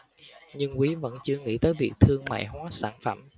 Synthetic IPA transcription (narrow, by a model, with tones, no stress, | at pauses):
ɲɨ˧ŋkwi˨˦və̰˧˥nt͡ɕɨ˧əŋḭ˧˥t̪əː˨˦jvi˨˩ək̚t̪ʰɨ˧əŋma̰ː˧˨jɦwaː˨˦saː˧˩nfə˧˩m